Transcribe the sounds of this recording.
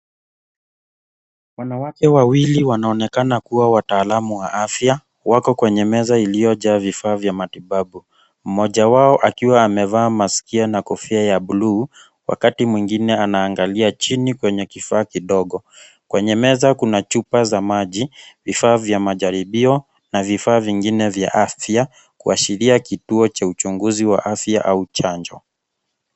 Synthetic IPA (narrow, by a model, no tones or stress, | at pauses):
wanawakɛwawiliwanaɔnɛkanakuwawataːlamuwaʔafja | wakɔkwɛɲɛmɛzailijɔʄaːvifaːvjamatiɓaɓu | m̩mɔʄawaɔʔakiwaːmɛvaːmaskianakɔfiajaɓulu | wa̰katimwiŋɡinɛanaːŋɡaliat͡ʃinikwɛɲɛkifaːkiɗɔɠɔ | kwɛɲɛmɛzakunat͡ʃupazamaʄivifaːvjamaʄaɾiɓiɔ | navifaːviŋɡinɛvja̰ʔafja | kuaʃiɾiakituɔt͡ʃaut͡ʃuŋɡuziwa̰ʔafja̰ʔaut͡ʃaɲd͡ʒɔ̰